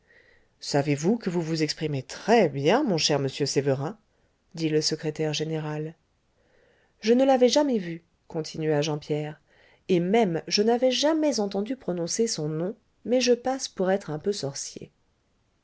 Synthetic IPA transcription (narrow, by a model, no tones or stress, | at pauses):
savevukəvuvuzɛkspχimet̪χɛbjɛ̃mɔ̃ʃɛʁməsjøsevəʁɛ̃ | d̪iləsəkχet̪ɛʁʒeneʁal | ʒənəlavɛʒamɛvy | kɔ̃t̪ʰinɥaʒɑ̃pjɛʁ | emɛmʒənavɛʒamɛzɑ̃t̪ɑ̃d̪ypχɔnɔ̃sesɔ̃nɔ̃ | mɛʒəpaspuʁɛt̪χɛ̃pøsɔʁsjḛ